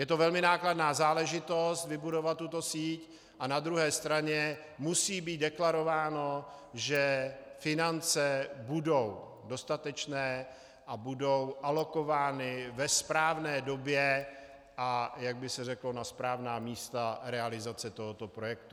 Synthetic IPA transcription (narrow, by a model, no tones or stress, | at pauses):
jɛt̪ovɛlmɪnaːkladnaːzaːlɛʒɪt̪o̞st̪vɪbudo̞vat̪ːut̪o̞siːc | ʔanad̪ɾuɦɛːst̪ɾaɲɛ | musiːbiːt̪̚dɛklaɾo̞vaːno̞ | ʒɛfɪnant͡sɛbudo̞w | do̞st̪at̪ɛt͡ʃnɛː | ʔabudo̞wʔalo̞ko̞vaːnɪvɛspɾaːvnɛːdo̞bjɛ | ʔajaɡ̚bɪsɛr̝ɛklonaspɾaːvnaːmiːst̪aɾɛalɪzat͡sɛt̪o̞ɦo̞t̪o̞pɾo̞jɛk̚t̪u